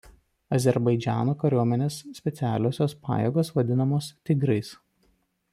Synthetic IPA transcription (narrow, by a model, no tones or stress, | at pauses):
ɐzʲɛɾbɐɪd͡ʒʲæ̰ːnoːkɐɾʲuɔmʲɛnʲeːsːʲpʲɛt̪sʲæːlʲoːsʲoːspɑ̰ːjɛɡoːsʋɐd̪ʲɪnɐmoːst̪ʲɪɡɾɐɪs